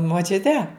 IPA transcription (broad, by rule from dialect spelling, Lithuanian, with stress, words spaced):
moːˈt͡ʃʲʊtʲɛ